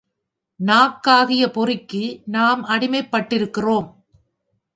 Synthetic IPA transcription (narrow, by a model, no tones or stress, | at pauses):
naːkːaːɣɪjɐpɔrɪkːɯnaːmɐɽɪmɐɪpːɐʈːɪɾɯkːɪroːm